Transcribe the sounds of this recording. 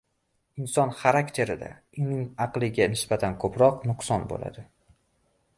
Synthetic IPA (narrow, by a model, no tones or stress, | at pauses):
ɪnsɒnχaɾakʲt̪ʰe̞ɾɪd̪a̰ | ʊnɪŋɑqlˠɪɡʲanɪsbat̪ʰankʰɵpɾɒqnʊqsɒnbo̰la̰d̪ɪ